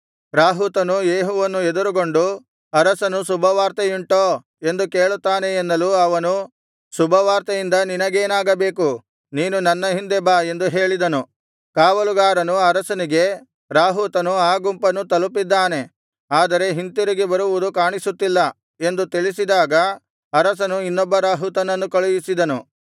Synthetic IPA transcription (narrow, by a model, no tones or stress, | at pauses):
ɾaːɦuːt̪ɐnujeːɦɔʋɐnːued̪uɾuɡo̞ɳɖu | ɐɾɐsɐnusubʱɐʋaːɾt̪ɐjiɳʈoː | e̞nd̪uke̞ːɭut̪ːaːneːnːɐluɐʋɐnu | subʱɐʋaːɾt̪ɐjind̪ɐninɐɡeːnaːɡɐbe̞ːku | niːnunɐnːɐɦind̪ebaːe̞nd̪uɦe̞ːɭid̪ɐnu | kaːʋɐluɡaːɾɐnuɐɾɐsɐniɡe̞ | ɾaːɦut̪ɐnuaːɡumpɐnːut̪ɐlupid̪ːaːne̞ | aːd̪ɐɾe̞ɦint̪iɾiɡebɐɾuʋud̪ukaːɳisut̪ːilːɐ | e̞nd̪ut̪iɭisid̪aːɡɐ | ɐɾɐs̬ɐnuinːɔbːɐɾaːɦut̪ɐnɐnːukɐɭujisid̪ɐnu